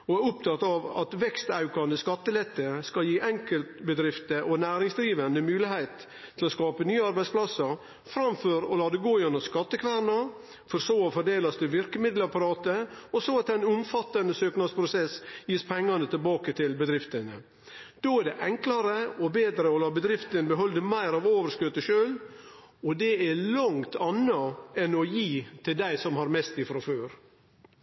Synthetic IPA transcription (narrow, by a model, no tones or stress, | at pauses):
ɔæɾʊp̚t̪ʰɑt̪ːɑʋɑ̰t̪ʋɛkst̪ɑʉkɑnəskɑt̪ːəlɛt̪ːəskɑljiːʔɛŋkəlt̪bəd̪ɾɪft̪əʔɔnæːɾɪŋsd̪ɾiːʋənd̪əmʉːlɪhæɪt̪ʰː | ɪlɔskɑːpənyːəɑɾbæɪdspʰlɑsəɾ | fɾɑmføɾɔlɑːd̪ɛɡoːjʉnːəskɑt̪ːəkʰʋæːɳɑ | fɔɾsoːɔfɔɖ̪eːlɑst̪ɪʋɪɾkəmɪd̪ləɾpɑɾɑːt̪əɔsoːɑt̪̚æɪnʊmfɑt̪ːɑnəsøːknɑd̪spʰɾʊsɛsjiːspʰɛŋːɑnət̪ʰɪlbɑːkət̪ʰɪlbəd̪ɾɪft̪ənə̰ | d̪̥oːæɖɛʔɛŋklɑɾəɔbeːd̪ɾəɔlɑːbəd̪ɾɪft̪ənbəɦɔld̪əmæɪɾɑʋoːʋəɾʂkøt̪ːəʃøːl | ɔd̪ɛælɑŋt̪ʰɑnːɑɛnɔjiːt̪ʰɪld̪æɪsɔmhɑɾmɛst̪ɪfɾɑføːɾ